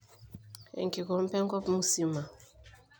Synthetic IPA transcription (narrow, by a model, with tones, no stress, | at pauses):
ɛ̰˨ŋki˨kɔ˨˦m̩˦pɛ˦ŋ˦kɔ˦pmu˦si˦ma˨